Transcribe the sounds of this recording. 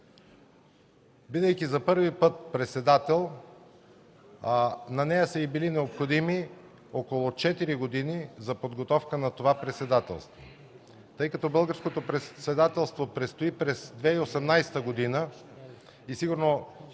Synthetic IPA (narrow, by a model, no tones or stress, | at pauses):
bid̪əjkʲizɐpɤɾvipɤt̪̚pɾɛt̪sɛd̪at̪ɛlˠ | nɐnɛjəsəibilinɛopxod̪imi | okolˠot͡ʃɛt̪iɾiɡod̪inizɐpod̪ɡot̪ɔfkənɐt̪ovapɾɛt̪sɛd̪at̪ɛ̰lˠst̪vo̰ | t̪ɤjkɐt̪ɔbɤlˠɡəɾskot̪opɾɛt̪sɛd̪at̪ɛlˠst̪vopɾɛt̪st̪oipɾɛzd̪vɛiosɛmnajsɛ̥t̪əɡod̪inə | isiɡuɾno